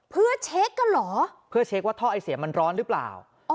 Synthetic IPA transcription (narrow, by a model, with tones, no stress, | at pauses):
pʰɯ˥˩ɐt͡ɕʰeː˦˥kːa˧nlɔː˩˦pʰɯ˥˩ɐt͡ɕʰeː˦˥k̚waː˥˩t̪ʰɔː˥˩ʔa˧jsi˨˩˦ma˧nɾɔː˦˥nɾɯː˦˥pla̰ː˨˩w